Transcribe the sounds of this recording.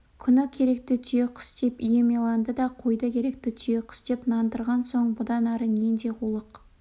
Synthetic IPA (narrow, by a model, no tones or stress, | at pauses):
kʲʰʏnɪkʲʰe̞ɾe̞k̚t̪ɪt̪ʰʏjeqʰə̥sd̪̥e̞pijemelˠɑnd̪əd̪ɑqʰojd̪əkʲʰe̞ɾe̞k̚t̪ɪt̪ʰʏjeqʰə̥sd̪̥e̞pnɑnd̪əɾʁɑnso̞ɴbʊd̪ɑnɑɾənend̪e̞qʰulˠəq